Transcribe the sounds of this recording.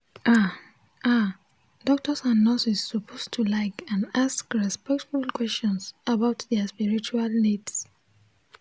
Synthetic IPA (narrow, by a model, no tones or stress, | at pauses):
ʔa | ʔa | dɔk̚tɔsãnːɔsisːɔpʰostʰulaɪkãndaskɹɛspɛk̚tfulkwɛst͡ʃɔ̃nsabaʊtðɛəspiɹit͡ʃualnids